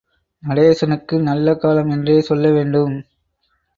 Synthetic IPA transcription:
mɐɽeːsɐnɯkːɯnɐlːɐkaːlɐmɛndreːsɔlːɐʋeːɳɖɯm

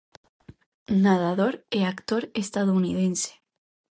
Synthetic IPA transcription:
naðaðoɾeakt̪oɾest̪að̞ounið̞ẽnse̥

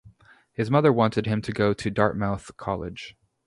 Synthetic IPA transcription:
hɨzmʌðə˞wɑ̃ntɨd̚ɨ̃mtʰɨɡoʊɾɨdɑɹk̚maʊθkʰɑ̰lˠɪ̰d̥ʒ̥

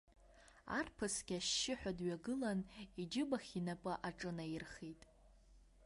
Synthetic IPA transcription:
a̰rpʰɨsɡʲaʃːɪħʷᶣadɥaɡɨlanid͡ʒɪbaχʲinapʼɨʔaʈ͡ʂʼɨnajɪrχitʼ

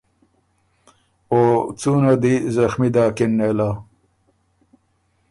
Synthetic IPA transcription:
ot͡suːnad̪izɐxmid̪aːkinːeːlaː

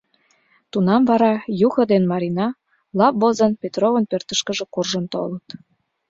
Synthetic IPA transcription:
t̪unɑmvɑɾɑjuxɤ̆d̪enmɑɾinɑ | lɑpbozənpʲet̪rovənpørt̪əʃkə̆ʒĕkurʒə̆nt̪olət̪

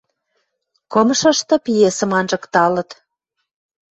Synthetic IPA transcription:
komʃə̆ʃt̪ɤ̆pijesə̆mɑnʒə̆kt̪ɑlə̆t̪

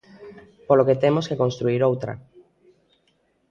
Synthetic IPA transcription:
poloket̪emoskekonst̪ɾuiɾowt̪ɾɐ̰

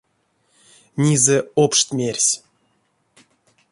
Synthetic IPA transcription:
nʲizɛopʂt̪ʲmʲerʲsʲ

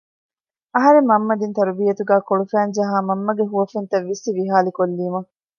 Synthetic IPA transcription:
ɐɦɐɾemːɐmːɐd̪int̪ɐɾubiːjɐt̪uɡæːkoɭufæːnd͡ʒɐɦaːmɐmːɐɡeɦuʋɐfent̪ɐʋːisːiʋiɦaːlikolːiːmɐ

